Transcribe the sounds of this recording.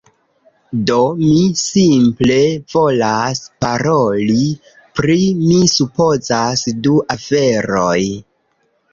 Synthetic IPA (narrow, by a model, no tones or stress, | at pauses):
do̞misimple̞vo̞laspaɾo̞li | pɾimisupo̞zasduʔafe̞ɾoj